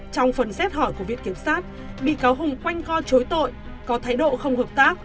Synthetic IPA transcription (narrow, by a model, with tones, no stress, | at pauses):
t͡ɕɔ˧wŋ͡mfə˨˩nsɛ˦˥t̚hɔ˧˩jku˧˩əvḭ˨ənki˧˩əm̚saː˦˥t̚ | ɓḭ˧˨kaː˨˦wɦʊ˨˩ŋ͡mkwa˧jŋ̟kɔ˧t͡ɕo˨˦jt̪o̰˧˨j | kɔ˨˦t̪ʰaː˨˦jɗo̰˧˨xə˧wŋ͡mhəː˨˩p̚t̪aː˦˥k̚